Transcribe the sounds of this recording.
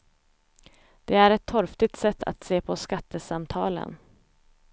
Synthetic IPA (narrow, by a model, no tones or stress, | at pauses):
d̪̥ɛæɾɛt̪ʰːɔɾft̪ɪt̪sɛt̪ːa̰t̪seːpʰɔskat̪ːəsamt̪ʰɑːlə̰n